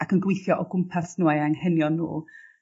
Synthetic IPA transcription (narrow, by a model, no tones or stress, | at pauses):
akʰənɡwejθjɔʔɔɡʊmpʰasnuaaŋhɛnjɔnṵː